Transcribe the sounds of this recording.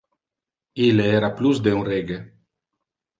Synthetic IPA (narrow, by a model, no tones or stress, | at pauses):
ileeɾaplusd̪euŋreɡe